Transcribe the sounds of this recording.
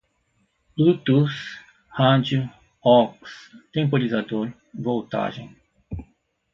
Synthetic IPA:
ut̪us | had͡ʒu | ɔkst̪ẽmpoɾizad̪oɾ | vowt̪a̰ʒḛ̃j̃

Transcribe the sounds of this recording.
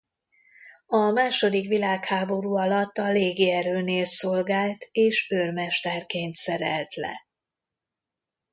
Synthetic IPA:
ɒmaːʃo̞d̪ikʋilaːkhaːbo̞ɾuːɒlɒt̪ːɒleːɡiɛɾøːneːlsolɡaːlt̪eːʃørmɛʃt̪ɛrkeːnt̪sɛɾɛ̰lt̪lɛ̰

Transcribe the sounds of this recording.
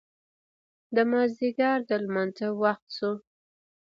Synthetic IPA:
d̪əmɑziɡɑɾd̪əlmanzawaxt̪su

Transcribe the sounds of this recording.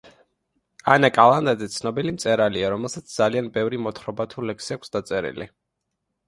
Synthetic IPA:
anakʼalˠand̪ad̪zɛt̪sʰnɔbilimt̪sʼɛɾaliaɾɔmɛlˠsat̪sʰd̪z̥alianbɛvɾimɔt̪ʰχɾɔbat̪ʰulɛksiakʷʰsd̪at̪sʼɛɾḭlḭ

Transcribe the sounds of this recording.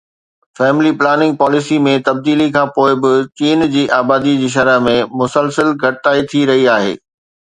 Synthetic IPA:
fɛːmɪliplaːnɪ̃ŋɡ̚pɔːlɪsimẽt̪ɐb̚d̪iːlikʰãːpoːɪbɪt͡ɕiːnd͡ʑiːʔaːbaːd̪id͡ʑiːʃ̬ɐɾəɦmẽmʊsəlsəlɡʱɐʈɪt̪aːit̪ʰiɾɐɦiaːɦḛː

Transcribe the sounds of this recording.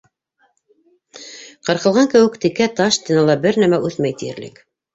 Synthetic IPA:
qɤ̆ɾqɤ̆lˠʁɑŋkɘ̆wɘ̆kt̪ikæt̪ɑʃt̪ʲinɑlˠɑbɘɾnæmæʔʉθmæjt̪ijɘ̰̆ɾlɘ̰k

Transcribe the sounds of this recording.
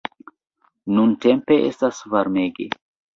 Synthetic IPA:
nunte̞mpe̞ʔḛstasvaɾme̞ɡe̞̰

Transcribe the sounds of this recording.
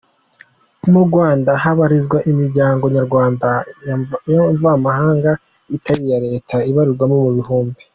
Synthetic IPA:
muɾɡwaːndaɦaβaɾizɡwaʔimiɾɟaːŋɡo̞ɲaɾɡwaːnda | joɱvaːmahaːŋɡa | itaɾijaɾe̞ːtʰaiβaɾiɾɡwamomuβihuːmbi

